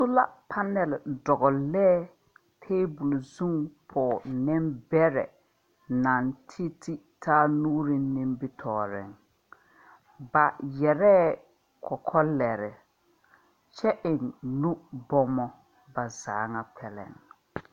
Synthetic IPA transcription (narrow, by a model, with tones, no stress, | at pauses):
sʊ˦la˦pʰa˦nɛ˨ldɔ˨ɣɔ˨lɛː˦ | tʰeː˦bu˨lzu˦ŋpʰɔː˨nɪ˦mbɛ˦ɾɛ˨ | na˨ntʰi˦tʰi˦ | tʰaː˦nuː˦ɾɪ˦nɪ̃˦mbɪ˦tʰɔː˨ɾɪ̰˨ŋ | ba˨jɛ˨ɾɛː˦ | kʰɔ˨kʰɔ˦lɛ˨ɾɪ˨ | t͡ʃɛ˦ʔɪ˨nnu˦bɔ˦mɔ˦ | ba˨zaː˨˦ŋa˦k͡pʰɛ˨lɛ̰˨ŋ